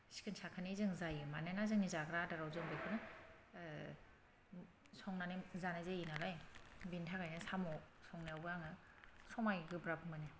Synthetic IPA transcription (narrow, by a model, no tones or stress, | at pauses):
si̥kʰɯnsakʰanizɯŋzajɯmanɯnazɯŋnizaɡɾadaɾawzɯŋbɯkʰɯnɯ | sɔŋnanizanazeinalajbintʰaɡajnɯsamɔ | sɔŋniawbɯjaŋɯ | sɔmajɡɯbɾapɯmɯnɯ